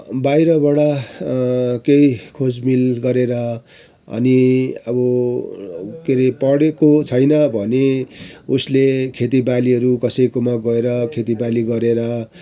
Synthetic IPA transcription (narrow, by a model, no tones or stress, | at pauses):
bajɾʌbʌɽa | kejkʰod͡zmilɡʌɾeɾʌ | ʌ̰niʌbʌ | keɾipʌɽekot͡sʰʌjnʌbʱʌneuslekʰet̪̬ibaliɦʌɾukʌsʌjkomaɡʌeɾʌkʰet̪ibaliɡʌɾeɾʌ